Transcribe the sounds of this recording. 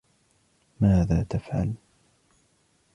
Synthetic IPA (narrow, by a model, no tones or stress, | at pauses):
maːðaːt̪afʕa̰l